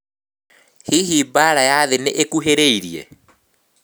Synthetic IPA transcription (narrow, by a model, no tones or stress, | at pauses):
hiɦiːbaɾajaðeneʔekuɦeɾeiɾiɛ̰